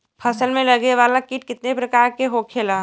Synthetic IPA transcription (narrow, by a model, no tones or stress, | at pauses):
pʰəsəlmẽləɡeʋaːlakiʈ̚kɪt̪nepɾɐkaːɾkeɦokʰela